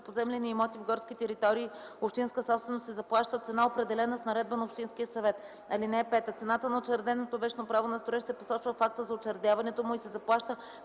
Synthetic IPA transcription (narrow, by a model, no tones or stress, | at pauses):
pozɛmlʲɛniːmɔt̪ivɡɔɾskʲit̪ɛɾit̪ɔɾiːopʃt̪inskəsɔpst̪vɛnost̪sɛzɐplˠaʃt̪ət̪sɛnaopɾɛd̪ɛlɛnəsnɐɾɛd̪bənɐopʃt̪inskʲiəsɐvɛt̪ | ɐlinɛːpɛt̪ət̪sɛnat̪ənɐot͡ʃɛɾd̪ɛnot̪ovɛt͡ʃnopɾavonɐst̪ɾoɛʃsɛposɔt͡ʃvəfak̚t̪əzɐot͡ʃɛɾd̪javɐnɛt̪omʊisɛzɐplˠaʃt̪ə